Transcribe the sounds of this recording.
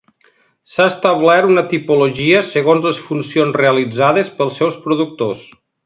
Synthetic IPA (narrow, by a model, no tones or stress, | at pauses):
saəst̪əβlɛt̪unət̪ipuloʒiəsəɣ̞onzləsfunsionzreəlid͡zaðəspəlˠsːɛwspɾuðuk̚t̪os